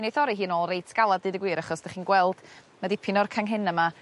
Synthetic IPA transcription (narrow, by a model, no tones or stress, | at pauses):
nejθɔɾiɦiːnoːlˠrejtʰɡ̥alˠadɨːdəɡwiːɾaχɔsd̥aχiːnɡwɛlˠd̥ | madipʰɪnɔrkʰaŋɦɪnəma